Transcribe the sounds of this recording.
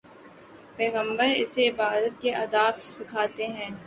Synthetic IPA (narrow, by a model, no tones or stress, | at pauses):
peːɣə̃mbəɾɪ̰seɪbaːɾət̪̚keʔɐd̪aːbsɪkʰaːt̪eɦɛ̃ː